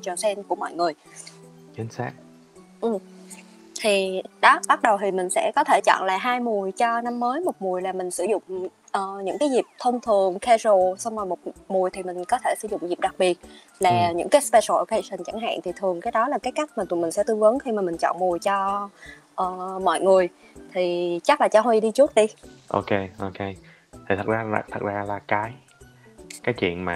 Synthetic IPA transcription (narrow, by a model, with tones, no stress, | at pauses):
t͡ɕɔ˨˩sɛ˧nku˧˩əmɔ̰˧˨jŋɨ˨˩əj | t͡ɕi˨˦nsa̰ː˦˥k̚ | ʔɨ˨˩m | t̪ʰi˨˩ɗɔ˨˦ɓa˦˥t̚ɗə˨˩wt̪ʰi˨˩mï˨˩ŋ̟sɛ̰˧˥kɔ˨˦t̪ʰe˧˩t͡ɕɔ̰˧˨nla̰ː˨˩ɦaː˧jmu˨˩əjt͡ɕɔ˧na˧mːəː˨˦jmo˨˩t̚mu˨˩əjlaː˨˩mï˨˩ŋ̟sɨ˧˩zʊ̰˧˨ŋ͡m | ʔəː˨˩ɲɨ̰˧˥ŋkaː˨˦jzi˨˩p̚t̪ʰə˧wŋ͡mt̪ʰɨ˨˩əŋxɛ˧zo˨˩sa˧wŋ͡ma˨˩mo˨˩t̚mu˨˩əjt̪ʰi˨˩mï˨˩ŋ̟kɔ˨˦t̪ʰe˧˩sɨ̰˧˩zʊ̰˧˨ŋ͡mzi˨˩p̚ɗa˨˩k̚ɓi˨˩ət̚ | laː˨˩ɲɨ̰˧˥ŋkaː˨˦jspɛ˧sɔ˨˩˧ka˧sə˨˩nt͡ɕa˧˩ŋɦa̰ː˧˨nt̪ʰi˨˩t̪ʰɨ˨˩əŋkaː˨˦jɗɔ˨˦laː˨˩kaː˨˦jka˦˥k̚maː˨˩t̪mï˨˩ŋ̟sɛ̰˧˥t̪ɨ˧əŋvə˨˦nxi˧maː˨˩mï˨˩ŋ̟t͡ɕɔ̰˧˨nmu˨˩əjt͡ɕɔ˧ | ʔəː˨˩mɔ̰˧˨jŋɨ˨˩əj | t̪ʰi˨˩t͡ɕa˦˥k̚laː˨˩t͡ɕaː˧hwi˧ɗi˧t͡ɕu˦˥ət̚ɗi˧ʔo˧ke˧ʔo˧ke˧ | t̪ʰi˨˩t̪ʰə˨˩za̰ː˧˨˩t̪ʰə˨˩t̚zaː˧laː˨˩kaː˨˦j | kaː˨˦jt͡ɕwḭ˧˨ənmaː˨